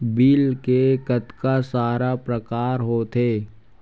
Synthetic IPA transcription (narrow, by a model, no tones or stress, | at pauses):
biːlkekət̪kasaːɾapɾəkaːɾɦot̪ʰeː